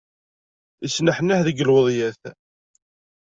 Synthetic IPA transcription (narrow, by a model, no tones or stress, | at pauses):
əsnəħnːæhðəɡəlwəðˤjæθ